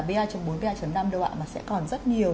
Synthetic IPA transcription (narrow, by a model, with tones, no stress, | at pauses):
ɓe˧ʔaː˧t͡ɕɔ˧ŋ͡mɓo˨˦nɓe˧ʔaː˧t͡ɕə˨˦nːa˧mɗo˧wa̰ː˧˨maː˨˩sɛ̰˧˥kɔ˨˩nzə˦˥t̚ɲi˨˩ə